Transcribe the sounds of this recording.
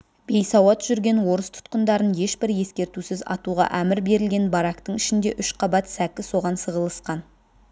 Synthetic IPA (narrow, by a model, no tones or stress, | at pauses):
b̥e̞jsɑwɑt̪ʒ̥ʏɾɡʲe̞nwo̞ɾəst̪ʰʊ̥t̪qənd̪ɑɾənje̞ʃbɪɾje̞skʲe̞ɾt̪usɪzɑ̰t̪uʁɑ̰ʔæmɪɾbe̞ɾɪlɡʲe̞nbɑɾɑkt̪əɴɪʃɪnd̪e̞ʔʏʃqʰɑbɑt̪sækʲɪso̞ʁɑnsəʁəlˠəsqɑn